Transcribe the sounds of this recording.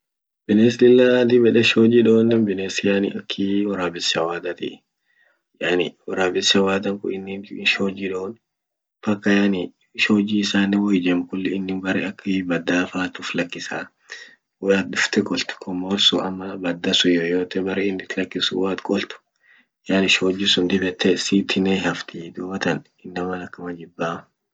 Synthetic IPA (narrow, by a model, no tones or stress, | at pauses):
bɪneːslɪlːad̪ibɛᶑɛʃoːd͡ʒiᶑoːnːɪnbɪneːsɪjanɪ̰ɐkʰːiwɔɾaːbɪsɐwaːd̪ɐt̪ḭ | janɪwɔɾaːbɪsɐwaːd̪ɐŋkʊ̰ɪnːɪnɪʃoːd͡ʒiᶑoːn | bɐkːɐjanɪ | ʃoːd͡ʒiːɪsaːnːɛwɔjd͡ʒɛmkʊlːɪɪnːɪnbɐɾɛɐkːɪbɐd̪ːaːfaːt̪ʊflɐkːɪsaː | wɔjaːt̪̚d̪ʊft̪ɛkʼɔlt̪ʊ̥kʰɔmoːlsṵɐ̰mːɐbɐd̪ːɐsʊjojoːt̪ɛbɐɾeɪnːɪt̪lɐkːɪsṵwaːt̪kʼɔlt̪ʊ̥ | jaːnɪʃoːd͡ʒːɪsʊnd̪ɪbɛt̪ʰːɛsiːt̪ʰːɪnɛhɐft̪id̪uːbɐt̪ɐn | ɪnːɐmɐnɐkːɐmɐd͡ʒɪbːaːm